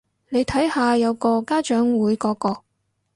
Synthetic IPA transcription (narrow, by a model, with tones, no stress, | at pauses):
ne˨˧jt̪ʰɐ˨˥jhaː˨jɐ˨˧wkɔː˧kaː˥t͡ʃœː˨˥ŋwuː˨˥jkɔː˨˥kɔː˧k̚